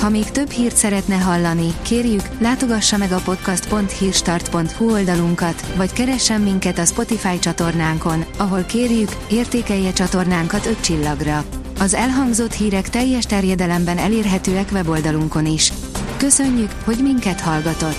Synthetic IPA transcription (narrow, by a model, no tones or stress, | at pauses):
hɒmeːkt̪ø̞bhiːrt̪sɛɾɛt̪nɛɦɒlːɒnikeːrjyklaːt̪o̞ɡɒʃːɒmɛɡɒpo̞t̪kɒst̪po̞nt̪hiːrʃt̪ɒrt̪po̞nt̪huo̞ld̪ɒluŋkɒt̪vɒckɛɾɛʃːɛmːiŋkɛt̪ɒspo̞t̪ifaːjt͡ʃɒt̪o̞rnaːŋko̞nɒɦo̞lkeːrjyk | eːrt̪eːkɛjːɛt͡ʃɒt̪o̞rnaːŋkɒt̪ø̞ct͡ʃilːɒɡrɒ | ɒzɛlɦɒŋɡzo̞t̪hiːɾɛkt̪ɛjːɛʃt̪ɛrjɛd̪ɛlɛmbɛnɛ̰leːrɦɛt̪øːɛkʋɛbo̞ld̪ɒluŋko̞niʃ | kø̞sø̞ɲːykho̞ɟmiŋkɛt̪hɒlɡɒt̪o̞t̪ː